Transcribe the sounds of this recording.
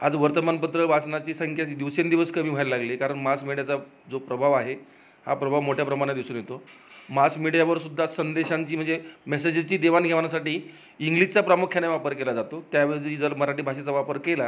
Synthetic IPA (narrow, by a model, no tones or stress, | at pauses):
ad͡zʋəɾt̪əmanpət̪ɾəbʱasnat͡ɕiːsəŋkʰjat͡ɕːd̪iʋsend̪iʋəskəmiːb̤ʱajllaɡlekaɾəɳmasmiɽijat͡sa | d͡zopɾəbʱaʋaɦe | ha̰pɾəbʱaʋmoʈʰjapɾəmaɽ̃ed̪iʋsuːnjet̪o | masmiɽjaʋəɾsud̪ʱːasənd̪eɕaɲt͡ɕiːm̤əɳd͡zemɛsed͡ʑt͡ɕiːd̪eʋanɡʱeʋanasaʈiː | iŋɡlid͡ʑt͡sapɾamukʰjanaʋapəɾkelad͡zat̪ot̪jaʋed͡ʑid͡zəɾməɾaʈiːbʱaɕat͡saʋapəɾkela